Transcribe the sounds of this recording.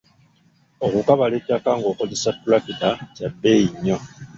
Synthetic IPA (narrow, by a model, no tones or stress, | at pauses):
okukaβalekjakaːŋɡo̞ːko̞zesapulakitacabeiɲːo